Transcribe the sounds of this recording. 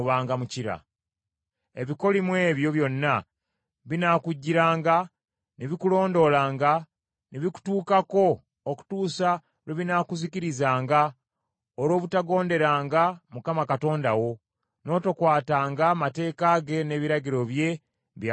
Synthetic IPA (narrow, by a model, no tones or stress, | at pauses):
βaːŋɡamuciɾa̰ | e̞βiko̞limwe̞ːβjo̞βjo̞nːa | βinaːkuɟːiɾaːŋɡa | neβikulo̞ːndo̞laːŋɡa | neβiku̥tuːkako̞ | oku̥tuːsa | weβinaːkuziciɾizaːŋɡa | oɾo̞ːβutaɡo̞ːnde̞ɾaːŋɡamukamakato̞ːndawo̞ | no̞ːtokwaːtaːŋɡamate̞ːkaɡe̞ne̞ːβiɾaɟiɾo̞βje̞ | βja